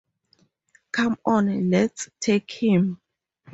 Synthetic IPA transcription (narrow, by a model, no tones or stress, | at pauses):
kʰãmɔ̃nlɛtstʰekhĩm